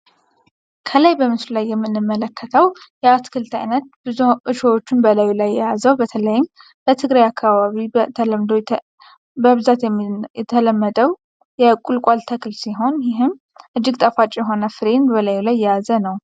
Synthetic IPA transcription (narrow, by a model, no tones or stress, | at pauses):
kʰəlajbəmɨslulajːɛmːɨnːɨmːələkʰːət̪ʰəwjɛat̪kʰɨlt̪ʰa̰jnət̪̚b̥ɨzuʔɨʃəwot͡ʃːɪnbəlajulajːɛjazəwbət̪ʰələjɪm | b̥ət̪ʰɨɡɾajakʰːaβaβibət̪ʰələmd̪o | bəβɨzat̪jɛjɛt̪ʰələmːəd̪əw | jɛkʼulkʷʼalt̪ʰəkʰɨlsiɦo̞njɪɦɨm | ʔɨd͡ʒːɪɡt̪ʼəfat͡ʃʼjɛɦo̞nəfɨɾenbəlajulajːɛjazənəw